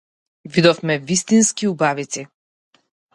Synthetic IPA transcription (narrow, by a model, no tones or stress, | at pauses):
vid̪ɔfmɛvist̪inskiubavit̪si